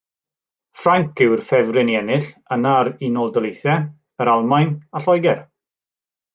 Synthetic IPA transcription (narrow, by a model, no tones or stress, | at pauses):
fraŋkʰɪwrfɛvrɪnjɛnɨɬənaɾinɔdəlˠejθɛ | əɾalˠmajnaɬɔjɡɛr